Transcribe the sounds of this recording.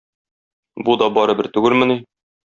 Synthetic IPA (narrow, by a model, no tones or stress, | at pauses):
bud̪ɒbɒɾɤbɘ̆ɾt̪ʉɡɘlmɘ̆ni